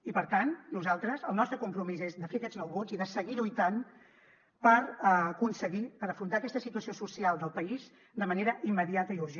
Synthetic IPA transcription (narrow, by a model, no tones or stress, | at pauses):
ipəɾt̪annuzalˠt̪ɾəzəlˠnɔst̪ɾəkumpɾumizezd̪əfeəkɛdznɔwβod͡ziðəsəɣilujt̪an | pəɾəkunsəɣipəɾəfɾunt̪aːkɛst̪əsit̪uəsiosusialˠd̪əlˠpəiz | d̪əməneɾəʔimːəðiat̪əiuɾʒe